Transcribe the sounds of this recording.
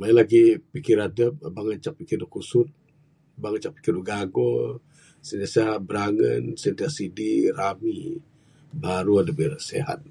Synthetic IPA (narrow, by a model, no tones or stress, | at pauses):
mailaɡipikɪɾadəp̚baŋat͡ʃak̚pikɪrukusʊt̪̚ | baŋat͡ʃak̚pi̥kɪrduɡaɡɔ | səndiaseɦat̪̚bəɾaŋə̰nsənd̪iasidirami | baɾuadəbirsḛɦa̰t̪̚